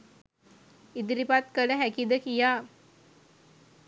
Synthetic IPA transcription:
id̪ɾipat̪kələɦɛkid̪əkija

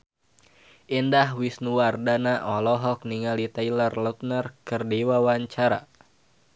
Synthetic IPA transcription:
ʔindahwisnuwardanaʔɔlɔɦɔk̚niŋalit̪ajlərlɔt̪̚nərkɨrdiwawaɲt͡ʃaɾa̰

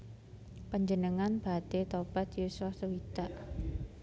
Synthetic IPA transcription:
pəɲd͡ʒənəŋanb̥at̪et̪ob̥at̪jusafsuwit̪aʔ

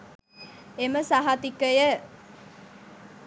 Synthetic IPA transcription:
eməsaɦat̪ikəjə

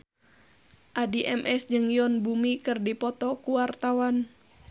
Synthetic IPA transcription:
ʔadiʔɛmʔɛsd͡ʒɨŋjɔnbumikɨrdipɔt̪ɔkuwart̪awan

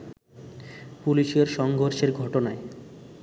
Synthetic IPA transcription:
puliʃeɾʃɔŋɡʱoɾʃeɾɡʱɔʈonae

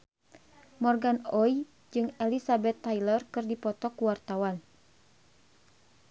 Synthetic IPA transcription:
mɔrɡanɔj | d͡ʒɨŋɛlisabɛt̪ːajlərkɨrdipɔt̪ɔkuwart̪awan

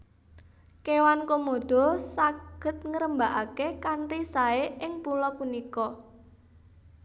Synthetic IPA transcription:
kewankomod̪̥ɔ̤saɡ̥ə̤t̪̚ŋəɾəmbaʔakekaɳrisaeʔɪŋpulɔpunikɔ

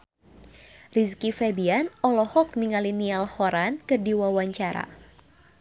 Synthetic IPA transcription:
riskifɛbianɔlɔhɔk̚niŋalinialhɔɾankɨrdiwawaɲt͡ʃaɾa̰

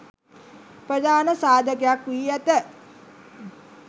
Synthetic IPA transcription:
prəd̪aːnəsaːd̪ʱəkejakiiæt̪ə

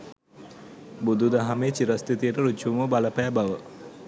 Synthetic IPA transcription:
bud̪ud̪aɦameːt͡ʃiɾast̪it̪ijəʈəɾut͡ʃːuʋuməbaləpæːbaʋə

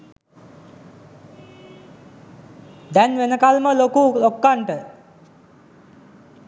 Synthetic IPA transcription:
d̪ɛnʋenəkalməlokulokːaɳʈə

